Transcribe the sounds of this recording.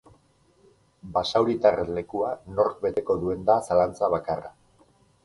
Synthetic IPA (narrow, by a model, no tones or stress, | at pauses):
basawɾit̪arele̞kuano̞ɾkbe̞t̪e̞ko̞ðue̞nd̪asalant͡saβ̞akara